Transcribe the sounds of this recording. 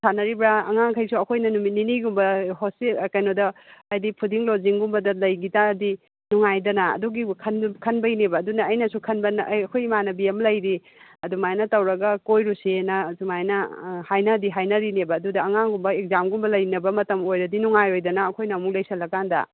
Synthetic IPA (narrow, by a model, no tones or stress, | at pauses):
sʰanɐɾibɾaɐ̰ŋaŋkʰɐjsuɐkʰojnɐnumininiɡumbɐhosilkɐjnodɐːjdipʰudiŋloziŋɡumbɐdɐlɐjɡitadi | nuŋajdɐnɐ̰ːduɡikʰɐnkʰɐnbɐjnebɐːdunɐːjnɐsukʰɐnbɐnɐkʰojmanɐbiemlɐjɾi | ɐdumajnɐtɐwɾɐɡɐkojɾusenɐsumajnɐhajnɐdiɦajnɐɾinebɐːdudɐːŋaŋɡumbɐek̚zamɡumbɐlɐjnɐbɐmɐtɐmojɾɐdinuŋajojdɐnɐːkʰojnɐmuklɐjsɐlːɐkandɐ̰